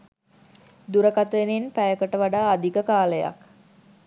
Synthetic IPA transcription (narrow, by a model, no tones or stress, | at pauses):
d̪uɾəkat̪əeninpæjəkəʈəʋaɖaːd̪ikəkaːləja̰k